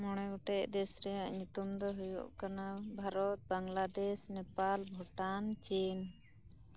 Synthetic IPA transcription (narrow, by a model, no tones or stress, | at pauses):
mɔɽ̃ɛuʈɛʔd̪ɛsɾɛaʔɲut̪umd̪ɔɦujṵʔkanabʱaɾɔt̪̚baŋlad̪ɛsnɛpalbʱɔʈant͡ʃin